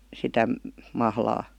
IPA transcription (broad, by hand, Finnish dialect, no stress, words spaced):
sitæ mɑhlɑː